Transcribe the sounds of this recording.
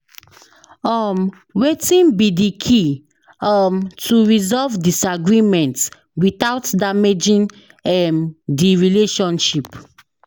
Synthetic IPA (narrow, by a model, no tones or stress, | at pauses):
ɔm | wetĩnbidikʰi | ɔmtʰuɹizɔvdisaɡɹimɛ̃nt | wit̪aʊtdamed͡ʒĩn | ɛmdiɹileʃɔ̃nʃip